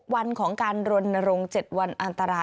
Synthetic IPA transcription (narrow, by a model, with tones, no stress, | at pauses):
k̚wa˧nkʰɔː˩˦ŋkaː˧nɾo˧nːa˧ɾo˧ŋt͡ɕe˨˩t̪̚wa˧nʔa˧nt̪a˧ɾaː˧